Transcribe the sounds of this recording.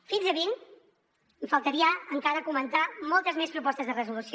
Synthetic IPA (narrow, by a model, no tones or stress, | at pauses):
finzəβin | ɱfəlˠt̪əɾiəəŋkaɾəkumənt̪amɔlˠt̪əzmespɾupɔst̪əzðərəzulus